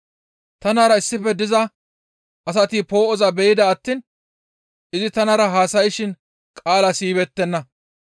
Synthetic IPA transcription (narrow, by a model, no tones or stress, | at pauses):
t̪ɐnaːɾɐɪsːɪfɛd̪ɪzɐ | ʔɐs̬ɐt̪iːpo̞ːʔɔzɐbɛjɪd̪ɐːt̪ːiːn | ʔɪzɪt̪ɐnɐɾɐɦaːsɐjɪʃɪn | kʼaːlɐsiːβɛt̪ːɛnːɐ